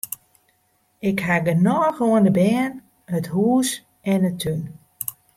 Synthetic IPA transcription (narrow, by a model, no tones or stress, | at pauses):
ɪkhaɡənɔɣoəndəbɛːn | həthuːs | ɛnətʰyn